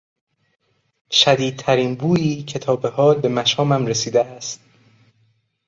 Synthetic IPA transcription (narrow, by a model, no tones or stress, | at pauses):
ʃæd̪iːd̪̚t̪ʰæɾiːnbuːjiːcʰe̞t̪ʰɒːbehɒːbe̞mæʃɒːmæmɾesiːd̪eæst̪̚